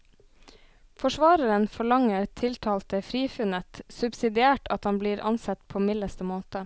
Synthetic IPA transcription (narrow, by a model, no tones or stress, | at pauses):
fɔʃʋɑːɾəɾənfɔɭɑŋəɾt̪ʰɪlt̪ʰɑːlt̪əfɾiːfʉnət̪sʉbsɪd̪ɪæːʈɑt̪hɑnbliːɾʔɑ̰nsɛt̪pʰoːmɪləst̪əmoːt̪ə